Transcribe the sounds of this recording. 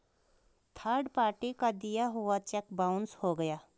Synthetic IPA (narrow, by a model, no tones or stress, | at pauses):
t̪ʰaːɖpaːʈikad̪ijaɦʊat͡ʃɛkbaʊ̃nshoɡəjaː